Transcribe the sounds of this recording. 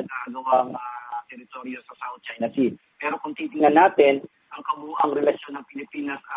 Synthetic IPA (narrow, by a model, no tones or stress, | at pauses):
ɐɡaɡɐwaŋaːt̪ɛɾɪt̪o̞ɾjo̞sɐsawt̪̚t͡ʃajnɐsi | pɛːɾo̞kʊŋt̪iːt̪ɪŋnɐnːaːt̪ɪn | ʔɐŋkɐmuʔɐŋɾɛlɐʃjo̞nːɐŋpɪlɪpiːnɐsɐ